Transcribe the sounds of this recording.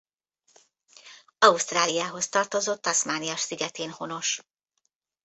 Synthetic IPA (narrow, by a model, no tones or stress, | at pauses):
ɒust̪raːlijaːɦo̞st̪ɒrt̪o̞zo̞t̪ːɒsmaːnijɒʃsiɡɛt̪eːnho̞no̞ʃ